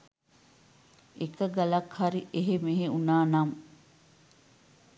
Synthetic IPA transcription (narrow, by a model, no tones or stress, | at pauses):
ʔekɐɡɐlɐkhɐɾiʔeɦemeɦeunaːnɐm